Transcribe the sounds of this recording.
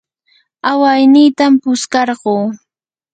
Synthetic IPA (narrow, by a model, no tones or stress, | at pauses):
awajnɪjt̪ampʊskɑɾɢoː